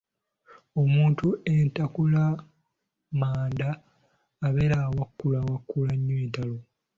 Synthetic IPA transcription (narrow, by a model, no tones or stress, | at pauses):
o̞muːntuentakula | maːndaː | βeɾawakːulawakːulaɲːweːtalo